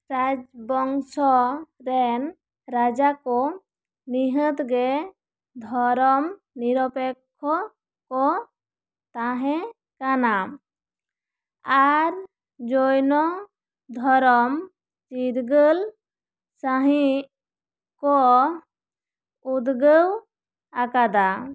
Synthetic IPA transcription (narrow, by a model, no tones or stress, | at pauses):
ɾad͡ʒbɔŋsɔɾɛn | ɾad͡ʒakɔ | niɦət̪ɡɛ | d̪ʱɔɾɔm | niɾɔpɛkʰːɔ | kɔ | t̪aɦɛ̃ | kanam | aɾ | d͡ʒojnɔ | d̪ʱɔɾɔm | t͡ʃiɾɡəl | saɦĩ | kɔ | ud̪ɡəw | akad̪a